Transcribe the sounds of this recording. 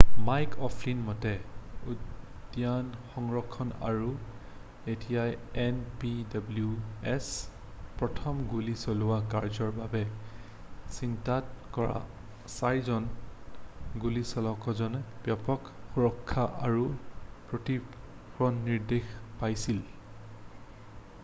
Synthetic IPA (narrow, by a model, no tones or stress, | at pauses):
majkʰɔpʰlinmɔtɛu | djanxɔŋɹɔkʰːɔna̰ɹu | etʰijajɛnpidabluɛs | pɹɔtʰɔmɡulisolʊwakaɹzɔɹbabɛ | sintatkɔɹa̰ | sajzɔn | ɡulisɔlɔkɔzɔnɛbjapɔkxuɹɔkʰːaʔaɹupɹoti | kɹɔnːiɹdexpajsil